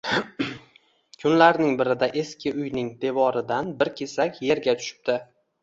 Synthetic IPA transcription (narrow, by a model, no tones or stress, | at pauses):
kʰʊnlaɾnɪŋbɪɾɪd̪aʔe̞skʲɪʊjnɪŋd̪e̞vɒɾɪd̪anbɪɾkʲʰe̞sakʲje̞ɾɡʲat̪ʰʊ̥ʃɪ̥p̚t̪ɪ